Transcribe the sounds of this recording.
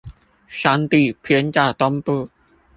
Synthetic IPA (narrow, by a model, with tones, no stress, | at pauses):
ʂa˥nt̪i˥˩pʰjɛ˥nt͡ɕa˥˩t̪ɔ˥ŋpɤ˥˩